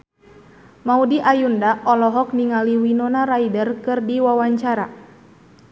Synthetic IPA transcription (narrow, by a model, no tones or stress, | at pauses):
maudiʔajundaʔɔlɔɦɔk̚niŋaliwinɔnaɾaidərkɨrdiwawaɲt͡ʃaɾa